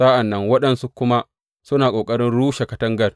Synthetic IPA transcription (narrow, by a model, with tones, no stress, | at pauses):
sa˦ʔa˨nːɐ˦ŋwɐ˦ɗɐ˨nsu˦kʷʊ˦ma˦ | sʊ˦naː˨kʷʼoː˨kʼɐ˦ɾɪ˦nɽuː˦ʃe˨kɐ˨tɐ˦ŋɡɐ˦r